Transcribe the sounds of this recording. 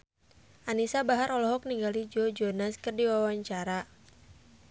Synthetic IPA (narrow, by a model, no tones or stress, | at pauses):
ʔanisabaɦaɾɔlɔɦɔk̚niŋɡalid͡ʒɔd͡ʒɔnaskərdiwawaɲt͡ʃaɾa